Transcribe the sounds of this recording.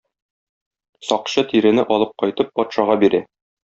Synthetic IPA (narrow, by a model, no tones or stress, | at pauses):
sɒqɕɤt̪iɾɘ̆nɘʔɒlˠɤp̚qɒjt̪ɤp̚ːɒt̪ʃɑʁɑbiɾæ